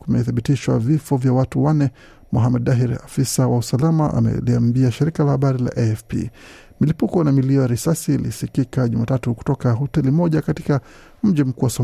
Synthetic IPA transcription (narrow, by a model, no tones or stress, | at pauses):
kumɛ̰θiɓitiʃwa̰vifɔvjawatuwanɛ | muɦamɛdaɦiɾafisawausalamaʔa̰mɛ̰liambiaʃiɾikalahaɓaɾila̰ʔɛɛfpḭ | milipukɔnamiliɔjaɾisasiːlḭsikikaʄumatatuku̥tɔkaɦɔtɛlimɔʄakatika | m̩ʄim̩kuwasɔ